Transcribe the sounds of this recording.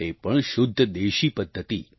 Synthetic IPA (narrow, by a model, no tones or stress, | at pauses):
epəɳʃʊd̪ʱːəd̪eʃipəd̪ʱːət̪ḭ